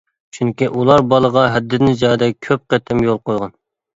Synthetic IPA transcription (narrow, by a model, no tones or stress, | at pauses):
t͡ʃʰyŋkʲiʔulˠɑɾbɑlˠəʁɑɦɛd̪ːɪd̪ɪnd͡ʒɑːd̪ɛkʲʰøp̚qet̪ʰɪmjolˠqojʁɑn